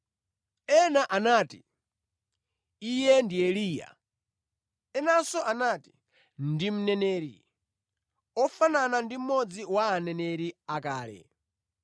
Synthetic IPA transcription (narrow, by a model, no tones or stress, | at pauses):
ɛnaʔanaːti | ijɛndiɛliːja̰ | ɛnasɔʔanaːti̥ | ndim̩nɛnɛːɾḭ | ɔfananandim̩mɔd͡ziwaːnɛnɛɾiakaːlɛ̰